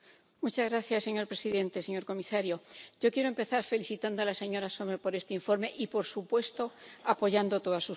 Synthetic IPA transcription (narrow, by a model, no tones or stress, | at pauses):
mut͡ʃazɣɾaθjasːe̞ɲo̞ɾpɾe̞siðẽ̞nt̪e̞se̞ɲo̞ɾko̞misaɾjo̞ɟ͡ʝo̞kjeɾoempe̞θaɾfe̞liθit̪and̪oalase̞ɲo̞ɾaso̞mepo̞ɾe̞st̪e̞iɱfo̞ɾme̞ʔipo̞ɾsupwe̞st̪o̞apo̞ʝand̪o̞t̪o̞ðasu